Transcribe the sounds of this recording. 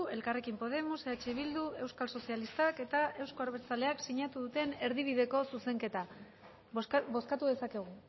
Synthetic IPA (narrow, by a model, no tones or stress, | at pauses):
e̞lkare̞kimpo̞ð̞e̞museat͡ʃeβild̪ue̞wskalso̞sialist̪ake̞t̪ae̞wsko̞aɾβeɾt͡sale̞aksiɲat̪uðut̪e̞ne̞ɾðiβ̞iðe̞ko̞suse̞ŋke̞t̪a | bo̞skat̪uðe̞sake̞ɣ̞u